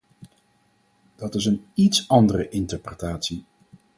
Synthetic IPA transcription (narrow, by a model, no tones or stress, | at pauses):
d̥ɑtɪsənitsɑndərəʔɪntəɹprətaːtsi